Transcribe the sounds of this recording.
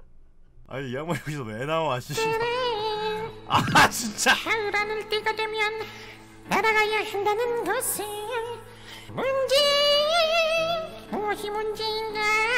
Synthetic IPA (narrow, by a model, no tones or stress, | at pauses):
a̰ijamakoisʌnenaoaɕʰieɾe | at͡ɕʰint͡ɕ͈aaɯɾanɯɭt͈eɡadwe̞mjʌnː | aɾaɡajʌɕindanɯnɡʌse | mund͡ʑe | moŋʌɕʰimund͡ʑeinɡa